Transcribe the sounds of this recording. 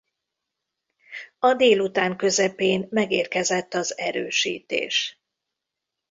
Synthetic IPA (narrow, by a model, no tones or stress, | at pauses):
ɒd̪eːlut̪aːŋkø̞zɛpeːnmɛɡeːrkɛzɛt̪ːɒzɛɾø̰ːʃḭːt̪ḛːʃ